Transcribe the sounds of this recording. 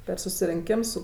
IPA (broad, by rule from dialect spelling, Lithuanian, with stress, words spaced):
pʲɛr sʊsʲɪrʲɪŋʲˈkʲɪms ˈsʊ